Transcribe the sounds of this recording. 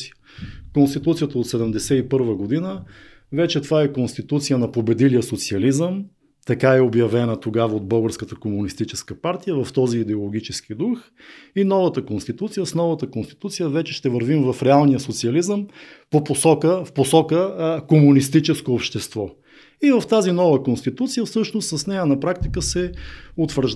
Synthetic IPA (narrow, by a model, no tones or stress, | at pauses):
konst̪it̪ut̪sijət̪əot̪sɛd̪ɛmd̪ɛsɛipɤɾvəɡod̪inə | vɛt͡ʃɛt̪ovaɛkonst̪it̪ut̪sijənɐpobɛd̪ilijəsot̪siɐlizəm | t̪ɐkaɛobjɐvɛnət̪oɡavəod̪̚bɤlˠɡəɾskət̪əkomunist̪it͡ʃɛskəpaɾt̪ijəvɐft̪ɔziːd̪ɛolˠoɡ̟ʲit͡ʃɛskid̪ux | inɔvət̪əkonst̪it̪ut̪sijəsnɔvət̪əkonst̪i̥t̪ut̪sijəvɛt͡ʃɛʃt̪ɛvəɾvimvɐfɾɛalˠnijəsot̪siɐlizəm | poposɔkəfposɔkəkomunist̪it͡ʃɛskoːpʃt̪ɛst̪vɔ | ivɐft̪azinɔvəkonst̪it̪ut̪sijəfsɤʃnost̪sɐsnɛjənɐpɾak̚t̪ikəsɛot̪vəɾʒ